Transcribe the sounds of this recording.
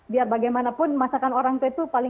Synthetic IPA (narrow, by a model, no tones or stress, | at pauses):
biarbaɡajmanapʊnmasakanoɾaŋt̪uit̪upalɪ